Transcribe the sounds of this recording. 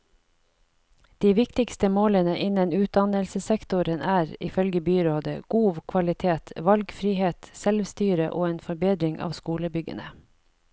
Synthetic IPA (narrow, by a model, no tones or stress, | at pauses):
d̪̥iːʋɪkt̪ɪkst̪əmoːlənəʔɪnənʉːt̪̚d̪ɑnəlsəsɛkt̪ʊɾənæːɾɪ̰fœlɡəbyːɾoːd̪ə̰ɡ̥uːʋkʰʋɑlɪt̪ʰeːt̪ʋɑlɡfɾiːheːt̪sɛlʋst̪yːɾə̰ʔo̰ːeːnfɔɾbeːd̪ɾɪŋɑ̰ːʋskuːləbʏɡə̰nə̰